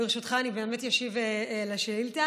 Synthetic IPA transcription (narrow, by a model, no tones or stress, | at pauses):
iʁʃutχaːnibeːmetjaʃivelaʃeilt̪a